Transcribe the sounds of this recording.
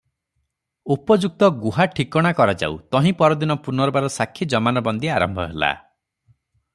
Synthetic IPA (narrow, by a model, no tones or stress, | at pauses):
upɔd͡ʒuk̚t̪ɔɡuɦaʈʰikɔɽ̃akɔɾad͡ʒa̰ṵt̪ɔɦĩpɔɾɔd̪inɔpunɔɾɔbaɾɔsakʰːid͡ʒɔmanɔbɔnd̪iaɾɔmbʱɔɦela̰